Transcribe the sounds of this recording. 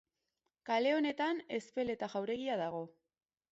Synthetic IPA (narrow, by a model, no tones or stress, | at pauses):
kale̞o̞ne̞t̪ane̞spe̞le̞t̪aʝawɾe̞ɣiaðaɣ̞o̞